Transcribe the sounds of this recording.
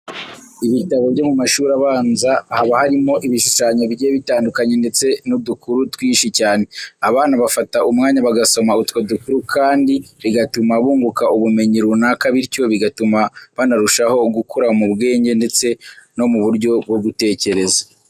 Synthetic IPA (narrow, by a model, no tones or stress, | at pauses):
iβitaβo̞vɟo̞mumaʃuːɾaβaːnzahaβahaɾimo̞ʔiβiʃuʃaɲo̞βiɟeːβitaːndukaɲe̞nde̞t͡se̞nudukuɾutwiːʃicaːne̞aβaːnaβafataʔumŋaːɲaβaɡaso̞mautwodukuɾukʰaːndiβiɡatumaβuːŋɡukauβume̞ɲiɾunakaβiɾco̞βiɡatumaβanaɾuʃaho̞ɡukʰuɾamuβɡe̞ːɲɟe̞nde̞t͡se̞no̞muβuɾɟo̞bɡo̞ɡute̞ːce̞ɾe̞zḁ